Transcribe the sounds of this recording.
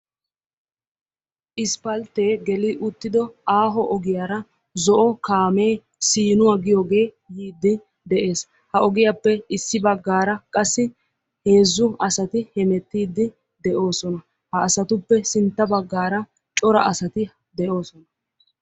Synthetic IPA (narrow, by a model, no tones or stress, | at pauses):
ʔɪspɐlt̪e̞ːɡɛlɪʔʊt̪ːɪd̪ɔaːɦɔʔɔɡɪjaːɾɐ | zɔʔɔkaːme̞ː | siːnʊwaːɡɪjoːɡe̞ː | jiːd̪ːɪ | d̪ɛʔe̞ːs | hɐɔɡɪjapːɛɪsːɪbɐɡːaːɾɐkʼɐsːɪ | he̞ːzːʊɐsɐt̪ɪhɛmɛt̪ːiːd̪ːɪ | d̪ɛʔo̞ːsɔnɐ | hɐːsɐt̪ʊpːɛsɪnt̪ːɐbɐɡːaːɾɐ | t͡ʃʼɔɾɐʔɐsɐt̪ɪ | d̪ɛʔo̞ːsɔnɐ